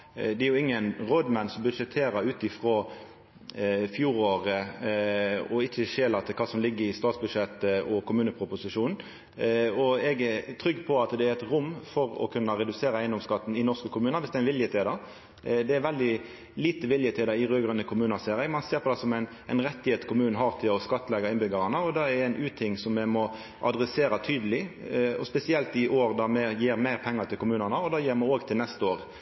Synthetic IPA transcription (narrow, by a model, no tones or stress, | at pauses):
d̪ɛæɾjʊɪŋːənʁoːd̪mɛnsɔmbʉd̪ʂɛt̪ʰːeːɾɑʉːt̪ɪfʁɔ | fjuːɾoːʁə | ɔɪçːəʃeːlɑt̪ʰɪkʰɑːsɔmlɪɡːəɾɪst̪ɑːt̪sbʉd̪ʂɛt̪ːəɔkʰʊmʉːnəpʰʁʊpʊsɪʂuːnn̩ | ɔɛɡɛt̪ʰɾʏɡːpʰɔɑt̪d̪ɛæʁɛt̪ɾʊmːfɔɾɔ̰kʰʉnːɑɾɛd̪ʉseːʁɑæɪnd̪ɔmskɑt̪ːn̩ɪnɔʁskəkʰʊmʉːnəʋɪsd̪ɛænʋɪljət̪ʰeːd̪əɾ | d̪ɛːɾʋɛld̪ɪ | liːt̪əʋɪljət̪ʰɛːd̪əɾɪʁøːɡɾənəkʰʊmʉːnɑseːɾɛɡmɑnseːɾpʰɔd̪ɛsɔmæɪn | æɪnɾɛt̪ːɪheːt̪kʊmʉːnn̩ɦɑʁt̪ʰɪlɔskɑt̪ːlɛɡɑɪnbʏɡɑɾɑnəɔd̪ɑɛɾæɪnʔʉːt̪ʰɪŋːsɔmːɛmɔ | ʔɑ̰d̪ɾɛseːɾɑt̪ʰyːd̪əlɪɔ̰spɛsɪɛlt̪ɪʔoːɾd̪ɑmɛjiːɾmæɪɾpʰɛŋːəɾt̪ʰɪlkʊmʉːnənəɔd̪ɑːjiːɾmɑoːɡt̪ʰɪlnɛst̪əoːʁ